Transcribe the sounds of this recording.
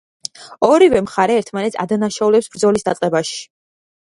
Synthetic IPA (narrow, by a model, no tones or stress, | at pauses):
ɔɾivɛmχaɾɛːɾt̪ʰmanɛt̪sʰa̰d̪anaʃaulɛpsb̥ɾd̪zɔlisd̪at̪sʼqʼɛbaʃi̥